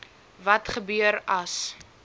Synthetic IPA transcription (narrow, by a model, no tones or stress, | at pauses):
vɐtχəbyəɾɐs